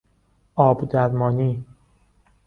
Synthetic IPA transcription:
ʔɒːbd̪æɾmɒːniː

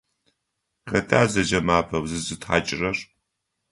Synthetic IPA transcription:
qɐtʰaːzɐd͡ʒɐmaːpʰɐwzɨzɨtħa̰ːt͡ʃʼɪrɐr

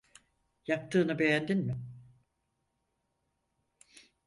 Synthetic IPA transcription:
jak̚t̪ʰɯːnɯbe̞jænd̪inmɪ

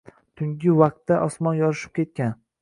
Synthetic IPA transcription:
t̪ʰʊŋɡʲɪwaq̚t̪ːaʔɒsmɒnjɒɾɪʃɪ̥p̚kʲʰe̞t̪̚kʲan

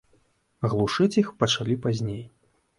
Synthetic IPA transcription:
ɣlˠuʂɨt͡sʲixpɐt͡ʂalʲipazʲnʲej

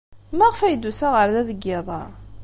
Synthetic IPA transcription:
mæʁfæjd̪ːusæʁəɾðæðəɡːɪðˤɑ

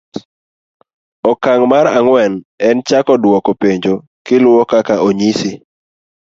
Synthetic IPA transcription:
ɔkaŋmaɾaŋwɛnɛnt͡ʃakɔdwɔkopeɲd͡ʒo | kɪlʊwɔkakaʔoɲisi

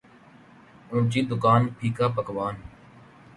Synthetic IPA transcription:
ũːt͡ʃiːd̪ʊkaːnpʰiːkaːpəkʋaːn

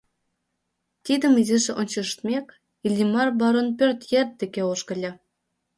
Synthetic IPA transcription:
t̪id̪ə̆miziʒĕʔonʲt͡ɕɤ̆ʃt̪mʲek | ilʲimɑrbɑɾonpʲørt̪jert̪̚d̪ekeoʃkɤ̆lʲɑ

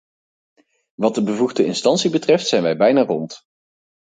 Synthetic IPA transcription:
ʋɑt̚dəbəvuχdəɪnstɑnsibətrɛftsɛjnʋɛjbɛjnaːrɔnt

